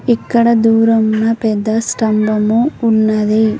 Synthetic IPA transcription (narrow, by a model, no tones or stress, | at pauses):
ikːɐɽɐd̪uːɾɐmnɐpɛd̪ːɐsʈɐmbɐmuːnːɐd̪e